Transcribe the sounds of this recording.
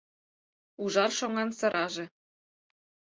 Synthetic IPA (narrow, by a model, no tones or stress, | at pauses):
uʒɑrʃoŋɑnsɤ̆ɾʔɑʒĕ